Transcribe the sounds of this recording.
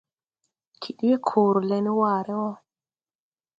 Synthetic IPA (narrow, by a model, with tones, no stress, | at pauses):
kʰi˨ɗi˦jɛ˦kʰoː˨ɾu˨lɛ˨ni˦waː˨ɾɛ˦wɔ˦